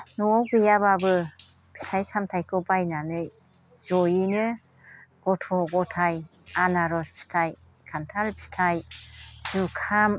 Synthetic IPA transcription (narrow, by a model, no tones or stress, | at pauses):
nuɔwɡɯjababɯ | pʰi̥tʰajsamtʰajkʰɯbajnanɯj | zɔjinɯ | ɡ̥ɔtʰɔɡɔtʰaj | anaɾɔspʰi̥tʰaj | kʰantʰalpʰi̥tʰajz̥ukʰam